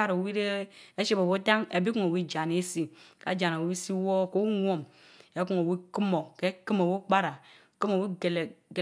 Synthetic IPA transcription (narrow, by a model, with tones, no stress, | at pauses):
a˦ɾo˨wi˦ɾe˦e˦ʃi˦bo˨wo˦ta˦ŋe˨bi˦ku˦ŋo˨wi˦d͡ʒa˨ne˦si˦ka˨d͡ʒa˨n˨a˨wi˦si˦wo˦ko˦ŋʷo˦m | e˨˦ku˦ŋo˨wi˦ki˦mo˨ke˦ki˦mo˨wo˦k͡pa˦ɾa˨ | ki˦mo˨wi˦˨l